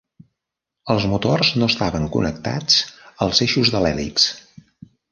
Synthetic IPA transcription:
əlˠzmut̪orznoəst̪aβəŋkṵnək̚t̪a̰t͡səlˠzeʃuzðəlɛlḭks

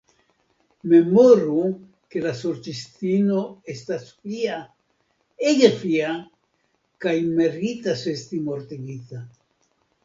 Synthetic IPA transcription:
memoɾu | kelasoɾt͡ʃist̪inoest̪asfia | eɡefia | kaimeɾit̪asest̪imoɾt̪eɡiθa

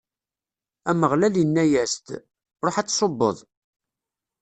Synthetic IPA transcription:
æməʁlæljənːæjæst̪ | rˤoħat͡sːsˤobːə̰ðˤ

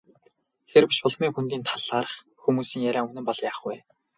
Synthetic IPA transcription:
xerpɵʃʊɮmiːŋxunt̪iːnt̪ʰaɮʁaːɾə̆χ | xumuːsiːŋjæɾʲæːŋunɘ̆mpɔɮjaːχɡujː

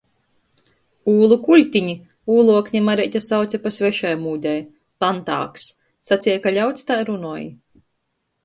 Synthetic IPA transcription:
uːlˠukulʲt̪ʲiɲi | uːlˠuɔkɲʲimaɾɛt̪ʲasawt̪sʲɛpasvɛʃajmuːd̪ʲɛj | pant̪a̰ːksː | at̪sʲijakaʎʲawt̪st̪ajɾunuɔji

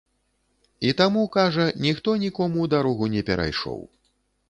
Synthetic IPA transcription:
it̪amukaʐɐnʲixt̪ɔnʲikɔmud̪aɾɔɣunʲɛpʲɛɾʔa̰jʂɔ̰w

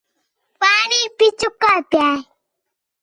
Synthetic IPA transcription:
panipɪt͡ʃʊkapja

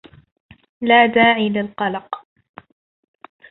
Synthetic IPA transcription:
laːd̪aːʕiːlɪlqɑlɑq

